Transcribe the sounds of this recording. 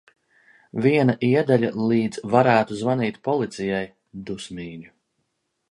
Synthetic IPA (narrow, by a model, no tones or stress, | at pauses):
viɛnaʔiɛd̪aʎʲalˠiːd̪z̥vaɾæːt̪uzvaniːt̪ʲpɔlˠit̪sijaj | d̪usmiːɲʲu